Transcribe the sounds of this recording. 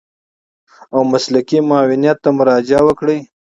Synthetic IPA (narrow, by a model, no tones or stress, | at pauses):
awmaslakimɑːwɪnjat̪ːamʊɾɑd͡ʒawəkɽəj